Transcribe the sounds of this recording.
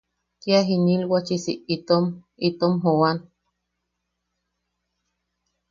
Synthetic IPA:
k̪jaɦinilwat͡ʃisiʔit̪om | it̪omɦowan

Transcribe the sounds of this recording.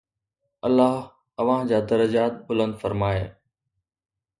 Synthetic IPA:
ɐlːaːɦ | ɐʋ̤ãd͡ʑaːd̪ɐɾəd͡ʑaːt̪̚bʊlə̃nd̪fəɾmaːeː

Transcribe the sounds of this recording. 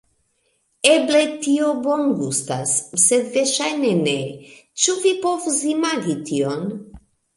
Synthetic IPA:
eblet̪iobonɡust̪asːed̪veʃajnenet͡ʃuvipovuzimaɡit̪ion

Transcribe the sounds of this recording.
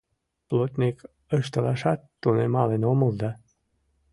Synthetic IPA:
plˠot̪ʲnʲik | əʃt̪əlɑʃɑt̪ːunemɑlenomuld̪ɑ

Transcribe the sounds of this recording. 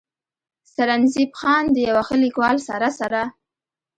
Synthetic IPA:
saɾanzibxɑnd̪əjawaxəlikwɑlsaɾasaɾa

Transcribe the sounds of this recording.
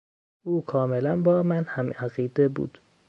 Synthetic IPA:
uːkʰɒːmelænbɒːmænhæmæɣiːd̪ebṵːd̪̥

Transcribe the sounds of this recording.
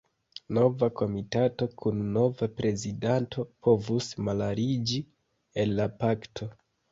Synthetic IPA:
no̞vako̞mitato̞kʰunːo̞vapɾe̞zidanto̞pʰo̞vusmalaɾid͡ʒi | enlapaktʰo̞

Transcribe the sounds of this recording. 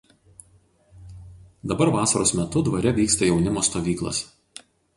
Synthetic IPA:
d̪ɐbɐɾʋɑːsɐɾoːsmʲɛt̪ʊd̪ʋɐɾʲɛʋʲiːkst̪ɐjɛʊnʲɪmoːst̪oːʋʲiːklˠɐ̰s

